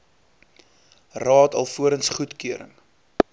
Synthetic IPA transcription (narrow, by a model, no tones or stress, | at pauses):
rɑːtɐlˠfuəɾənsχutkyəɾə̰ŋ